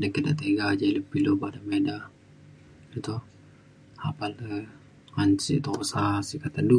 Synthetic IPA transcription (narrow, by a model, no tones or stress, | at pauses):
dəŋkadaʔt̪eɡad͡ʒailəbilobadameda | it̪u | hapalə | aɲt͡ʃiʔt̪osasikat̪andu